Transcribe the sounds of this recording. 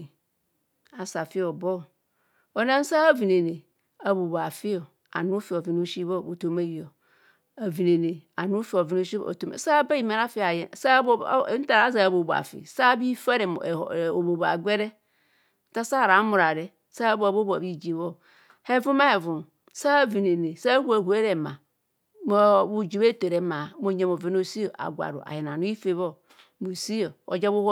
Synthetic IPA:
a˨sa˨fɪ˦ɔ˨bɔ˦˨ | o˨nã˦n˦sa˦a˦vi˨ne˨ne˨ | a˨bo˨ba˨fɪ˦ɔ˨ | a̰˨nu˦fi˨ɔ˨vi˨no˦ʃi˦bo˦˨bo˨to˨ma˨ji˨ɔ˨ | a˨vi˨ne˨ne˨a˨nũ˦fi˨ɔ˨vi˦no˦ʃḭ˦˨o̰˨to˨˦ḛ˨sa˦ba˦i˨ma˨ɾa˦fi˦˨a˨jɛ˨sa˦bn̩˦ta˨ɾa˨˦za˦a˨bo˨ba̰˨fḭ˨sa˦bi˦fa˦ɾɛ˨o˨bo˨ba̰˨ɡɛ˦ɾɛ˦ | ta˦sa˦˨ɾa˨˦mu˨ɾa˨ɾe˦ | sa˦bo˦˨bo˦b̰bi˦d͡ʒi˨βo˦ | he˦vu˦ma˦he˨vu˨m | sa˦˨vi˨ne˨ne˨sa˦hu˦e˨hu˨˦e˦ɾe˨ma˨ | mo˦˨bu˦d͡ʒi˨βe˦te˨ɾe˨ma˨˦mo˦ɲe˦mo˨vi˨˦no˦si˦o˨ʔa̰˨ɡʷa̰˨ɾṵ˨ʔa̰˨je˨na˨nu˦i˦fe˦βo˦ | mo˨si˦jo˨o̰˨d͡ʒa˦βu˦h

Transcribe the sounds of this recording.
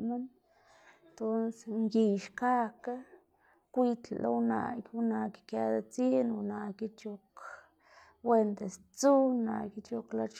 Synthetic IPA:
ma˦n | t̪o˦nsŋɡi˧ʃka˦ka˦ | kʷi˧t̪llo̰˧wna̰˧˨kʲu˧na˨ɡkja˧d̪a˧t͡si˦n˧na˨ki˦t͡ʃo˧k | we˧nd̪e˨s | t͡su˦na̰˧˨ki˧˦t͡ʃo˧kla˧t͡ʃ

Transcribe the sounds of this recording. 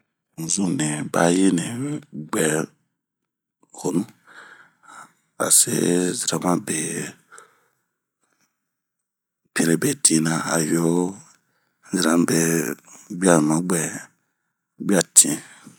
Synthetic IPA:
zũ˦˨nẽ˨ba̰˦ji˦nẽ˨ɡ͡bɛ˨ | ho˨nũ˦ | a̰˨sḛ˦zi˨ɾã˨˦mã˦be˨ | pẽ˨ɾe˨be˨tʰĩ˨˦nã˨a̰˨jo˦ | zi˨ɾã˨˦m˦be˨bi˦a˦˨nũ˨mã˨˦ɡ͡bɛ˨ | bi˦a˦˨tʰĩ˨ẽ˨

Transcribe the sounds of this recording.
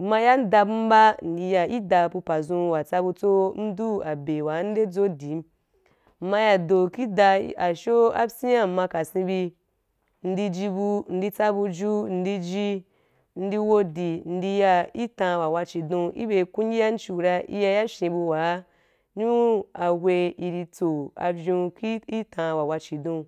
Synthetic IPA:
mã˧ja˦n˦da˧bu˦m̩˦ba˦n̩˨di˧ja˧i˦da˧bu˧pa˨zũ˧wa˨t͡sa˧bu˧t͡so˦n̩˦du˦a˨be˨wa˨˦n̩˦de˦d͡zo˦di˨˦m̩˦˨ | ma˧ja˧do˨ki˦da˧˦a˨ʃo˦a̰˦si˦ja˦˨m̩˨mã˧ka˨sĩ˧bi˧ | n̩˧di˧d͡ʒi˧bu˧n̩˦di˧t͡sa˦bu˧d͡ʒu˦n̩˨˧di˧d͡ʒi˧ | n̩˦di˧wo˧di˨n̩˦di˧ja˧i˦tã˧wa˨wa˧t͡ʃi˨dũ˧ʔḭ˦be˧kũ˦ŋɡʲi˦ja˦n̩˦t͡ʃi˨ɾa˧ʔḭ˧ja˧ja˦ʃĩ˧bu˧wa˨˦ | ɲu˦a˧wʷe˧i˧ɾi˧t͡so˨a̰˧vʲũ˧ki˦i˦tʰã˧wa˨wa˧t͡ʃi˨dõ˧

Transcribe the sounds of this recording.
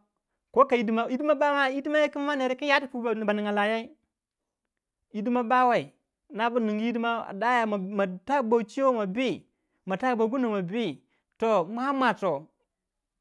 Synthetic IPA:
ko˦ka˨i˦dma˦i˦di˦ma˦ba˦ma˦i˦di˦ma˦ja˦ki˦n˦ma˦ne˨ɾe˦ka˦ja˦ti˨ku˦˨ba˨ni˨ŋa˨la˨ja˦i˦ | i˦di˦ma˦ba˦wa˨i˨ | na˦bu˦ni˨ŋɡi˦i˦di˦ma˦a̰˨da˦ja˨ma˨ta˦˨ba˨t͡ʃi˦o˦ma˨bi˦ | ma˨ta˦˨bo˨˦ɡu˦no˨ma˨bi˦ | to˨ma˦a˦mʷa˨to˨

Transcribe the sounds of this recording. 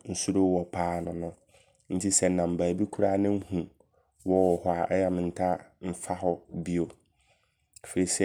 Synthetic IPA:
n̩˦su˦ɾo˦wɔ˨pʰaː˦nʊ̃˨nʊ̃˦ | n̩˦tʰi˦sɛ˦˨n̩˨nã˨m̩˨baː˨bi˦kʰu˦ɾa˦˨nɪ̃˦m̩˦hũ˨ | wɔ˦wɔ˨hɔ˦a˨ʔɛ˦ja˦mɪ̃˨n̩˨tʰa˦m̩˦fa˦hɔ˨bi˦o˨ | fe˨ɾi˨sɛ˦

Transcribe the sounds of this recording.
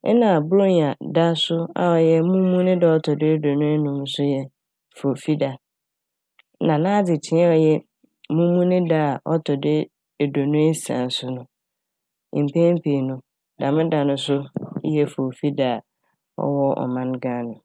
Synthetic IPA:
ɛ˦nã˨bɾo˦ɲ˨a˨da˦sʊ˦a̰˨ɔ˨jɛ˦mũ˦mũ˦nɪ̃˦da˦ɔ˦tʰɔ˨dɪ˦e˦do˨nʊ̃˦e˦nʊ̃˨m˦sʊ˦jɛ˦ | fo˨fi˦da˨˦ | nã˨nãː˦d͡zɪ˨tʰɪ̃˨˦ɛ˦ɔ˨jɛ˦ | mũ˦mũ˦nɪ̃˦da˦a˨ɔ˦tʰɔ˨dɪ˦˨ | do˨nʊ̃˦e˦sã̰˨n˨sʊ˦nʊ̃˦˨ | m̩˨pʰẽ˦m̩˦pʰe˨nʊ̃˨ | da˨mɪ̃˦da˨nʊ̃˦sʊ˦jɛ˦fo˨fi˦da˨ | ɔ̰˦wɔ˦ɔ̰˨mã˦nɡã˦nʊ̃˨

